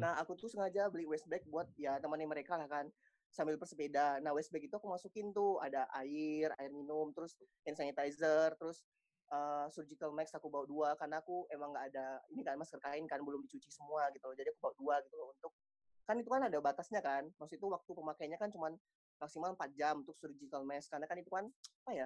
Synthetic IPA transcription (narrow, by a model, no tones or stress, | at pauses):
naɦakut̪usəŋad͡ʒabəliwɛst̪̚bɛk̚buat̪̚jat̪əməniməɾekalahkan | sambɪlbərsəpedanahwɛs̚bɛkit̪uakumasukɪnt̪ua̰daʔaɪra̰ɪrminʊmt̪əɾʊs | ɛnsanit̪aizərt̪əɾʊs | əːsurd͡ʒikəlmɛksakubauduakarnaːkuemaŋɡaːdainikanmaskərkaɪnkanbəlʊmdit͡ʃut͡ʃisəmuaɡit̪uld͡ʒadiakubawduaɡit̪ulunt̪ʊk̚ː | anit̪̬ukanadabat̪asɲakanmasukit̪uwak̚t̪upəmakajanɲakant͡ʃuman | maksimalmpat̪̚d͡ʒamunt̪ʊk̚suɾid͡ʒikalmɛskarnakanit̪ukanapaja